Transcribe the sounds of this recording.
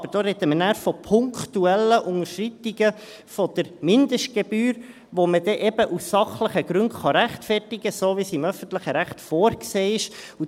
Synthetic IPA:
bəɾd̥oːɾɛd̪əmənæːɾfɔpʰʊŋkt̪uɛlːəʔʊŋəɾʃrɪt̪iɡə | fɔd̥̪əɾmɪnd̪əʃt̚ɡ̥ebyːɾ | ʋoməd̥̪ɛʔɛbəʔussɑχləχəɡ̥ɾʏntχɑɾæχtfɛrtiɡ̥əsoːvisɪmœfənt̪ləχəɾæχtfoːɾkseːɪʃ | u

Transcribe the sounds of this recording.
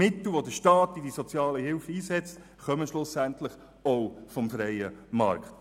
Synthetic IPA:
ɪt̪l̩ʋodəʃtɑːtidisɔt͡sjɑːləhɪlfəiːsɛt͡st | χœməʃlʊsæntləχ | ɔʊfɔmfɾɛɪəmɑ̰ɾkχt

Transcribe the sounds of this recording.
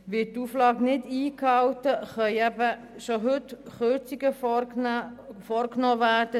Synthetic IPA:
ʋɪttːuːflɑːɡnɪdiːkhɑwtəχœʏɛbə | ʃoɦʏtχøt͡siɡə | fɔɾknɔːværd̥ə

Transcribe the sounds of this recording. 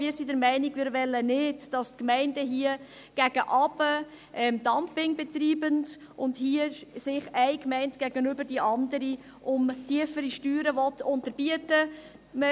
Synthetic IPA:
mɪːɾsidəɾmɛɪniɡmɪːɾʋɛlːənɪdd̥ɑstkmɛɪndəɦiə | ɡ̥æɡ̥əʔɑbə | ʔɛmdɑmpɪŋbɛtriːbənd | ʊndhiəsɪχɛɪkmɛɪntɡ̥æɡənʏbəɾdiʔɑndəɾi | ʔʊmtiəfəɾiʃtyːɾəvɔtʊntəɾb̥iətə | mə

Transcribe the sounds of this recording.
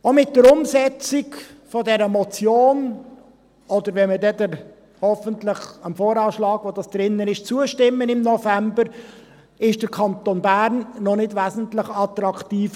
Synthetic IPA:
omɪt̚dəɾʊmsɛt͡sɪkfɔdɛɾəmɔt͡sjoːn | ɔd̪əɾʋɛmədɛd̪əɾ | hɔfəntlɪχəmfoːɾɑːʃlɑːɡʋodɑsd̥ɾɪnːənɪʃt͡suəʃtɪmːənɪmnɔfæmbəɾ | ɪʃd̥əɾkʰɑnt̪onbæːɾnːɔnɪdʋæːzən̩tlɪχɑt̪ɾɑkʰtiːf

